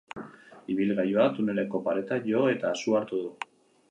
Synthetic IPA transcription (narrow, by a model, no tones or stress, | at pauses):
iβ̞ilɣajoat̪une̞le̞ko̞paɾe̞t̪aʝo̞e̞t̪aːsuaɾt̪uðu